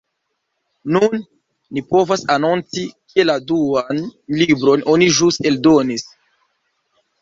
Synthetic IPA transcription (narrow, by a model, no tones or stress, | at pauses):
nunː | ipo̞vasanont͡sikieladuanlibɾo̞nʔo̞niʒusteldo̞nis